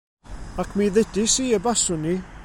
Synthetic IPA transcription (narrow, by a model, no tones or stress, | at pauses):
akʰmiðɛdisiːəbasʊni